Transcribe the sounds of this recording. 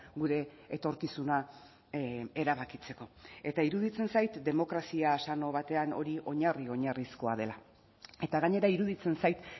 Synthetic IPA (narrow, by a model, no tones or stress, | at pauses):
ɡuɾe̞ː | t̪o̞ɾkisuna | e̞ɾaβakit͡se̞ko̞e̞t̪aiɾuð̞it͡se̞nsajt̪d̪e̞mo̞kɾasiasano̞β̞at̪e̞ano̞ɾiʔo̞ɲario̞ɲarisko̞að̞e̞la | e̞t̪aɣaɲe̞ɾaiɾuðit͡se̞nsajt̪